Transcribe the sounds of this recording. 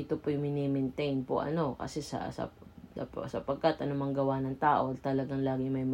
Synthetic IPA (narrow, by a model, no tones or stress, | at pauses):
ɪt̪opojʊŋmɪnimɛnt̪ɛjnpo̰ʔɐ̰no̞kɐ̰sɛsɐ̰sɐ̰psɐpɐɡ̚kat̪ʔɐnomɐŋɡɐwanɐŋt̪aːʔo̞t̪ɐlɐɡaŋlaːɡɪŋmɐjm